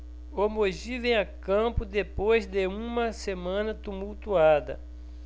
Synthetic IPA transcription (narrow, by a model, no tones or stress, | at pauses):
omoʒivẽj̃akɐ̃pʊd̪epojzd̪eũmɐsemɐ̃nɐt̪umuwt̪uad̪ɐ̰